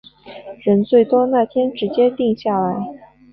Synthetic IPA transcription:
ɻə˧˥nt͡swe˥˩ɪt̪wɔ˥na˥˩t̪ʰjɛ˥nʈ͡ʂɻ̩˧˥t͡ɕjɛ˥t̪i˥˧ŋɕja˥˩la˧˥ɪ

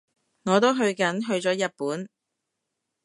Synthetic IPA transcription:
ŋɔː˨˧t̪̬o˥wɦɵ˧ɥkɐ˨˥nɦɵ˧ɥt͡ʃɔː˨˥jɐ˨t̚puː˨˥n

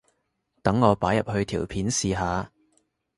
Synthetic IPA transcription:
t̪ɐ˨˥ŋːɔː˨˧paː˨˥jɐ˨p̚hɵ˧ɥt̪ʰiː˨˩wpʰiː˨˥nsiː˨ɦaː˨˧

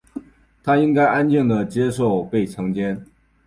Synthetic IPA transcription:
t̪ʰa˥i˥ŋka˥ɪʔa˦nt͡ɕɥɛ˥˩nd̪ə˩t͡ɕjɛ˥ʂ̬o˥˧ʊpe˥˩ɪʈ͡ʂʰɑ˧˥ŋt͡ɕjɛ˥n

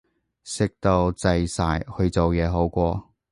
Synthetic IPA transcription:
sɪ˨k̚t̪o˧wt͡sɐ˨˧jsaː˨˧jhɵ˧ɥt͡so˨wjɛː˨˧ɦo˨˥wkʷɔː˧

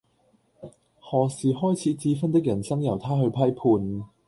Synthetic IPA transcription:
hɔː˨˩siː˨ɦɔː˥jt͡sʰiː˨˧t͡siː˨˧fɐ˥nt̪ɪ˥k̚jɐ˨˩nsɐ˥ŋjɐ˨˩wt̪ʰaː˥ɦɵ˧ɥpʰɐ˥jpʰuː˧n

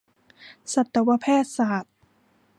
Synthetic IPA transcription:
sa˨˩t̪ːa˧wa˧pʰɛː˥˩t̪̚saː˨˩˦t̪̚

